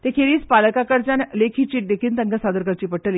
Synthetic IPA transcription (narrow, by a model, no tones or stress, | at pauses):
t̪ekʰeɾiːt͡spaləkakəɾt͡ɕanlekʰiːt͡ɕiːʈ̚ɖekʰint̪əŋɡəsad̪əɾkəɾt͡ɕiːpəʈːəli